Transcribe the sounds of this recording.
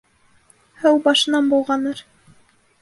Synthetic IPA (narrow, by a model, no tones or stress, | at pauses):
hɘwbɑʃɤ̆nɑnbulˠʁɑnɤɾ